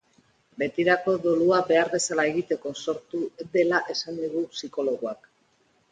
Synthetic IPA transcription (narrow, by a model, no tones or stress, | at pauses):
be̞t̪iɾako̞ðoluabe̞aɾβe̞salae̞ɣit̪e̞ko̞so̞ɾt̪ud̪elaʔe̞sand̪iɣusiko̞lo̞ɣ̞uak